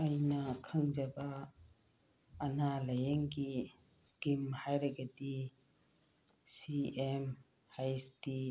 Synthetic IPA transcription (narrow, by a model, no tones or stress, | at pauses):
ɐjnɐkʰɐŋd͡ʒɐbɐ | nalɐjeŋɡi | skimhajɾɐɡɐdi | siem | hajsti